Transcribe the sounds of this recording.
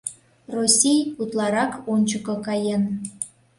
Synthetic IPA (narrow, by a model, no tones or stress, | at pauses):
rosʲijut̪lˠɑɾɑkonʲt͡ɕəkɤ̆kɑjen